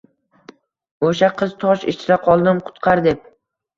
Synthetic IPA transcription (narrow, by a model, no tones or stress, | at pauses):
oʃaqʰɨz̥t̪ʰɒʃɪ̰t͡ʃɪɾaqʰɒlˠd̪ɪmqʰʊ̥t̪qʰɑɾd̪ep̚